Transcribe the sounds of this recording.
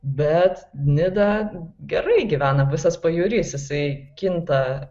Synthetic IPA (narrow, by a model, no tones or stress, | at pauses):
bʲɛt̪nʲɪd̪ɐɡʲɛɾɐɪɡʲiʋʲæːnɐʋʲɪsɐspɐjuːɾʲiːsjɪsɐɪkʲɪnt̪ɐ